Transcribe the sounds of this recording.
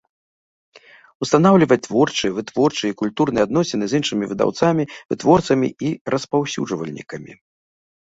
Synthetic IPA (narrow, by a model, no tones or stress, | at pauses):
ust̪anawlʲivɐt̪vɔrt͡ʂɨvɨt̪vɔrt͡ʂɨikulʲt̪urnɨjad̪nɔsʲɛnɨzʲinʂɨmʲivɨd̪a̰wt̪samʲivɨt̪vɔrt̪sɐmʲḭirɐspawsʲṵʐvɐ̰lʲnʲḭkɐmʲḭ